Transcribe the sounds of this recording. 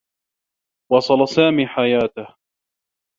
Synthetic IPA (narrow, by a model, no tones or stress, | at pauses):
wɑsˤɑlɑsaːmiːħajaːt̪ah